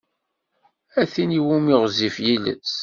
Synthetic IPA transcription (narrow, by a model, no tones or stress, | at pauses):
æθiniwumiʁzifjilə̰t͡sː